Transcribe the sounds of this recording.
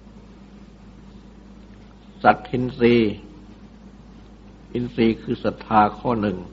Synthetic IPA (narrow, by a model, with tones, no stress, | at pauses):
sa˨˩t̪̚hi˧nɾiː˧ | ʔi˧nsiː˧kʰɯː˧sa˨˩t̪ʰːaː˧kʰɔː˥˩nɯ˨˩ŋ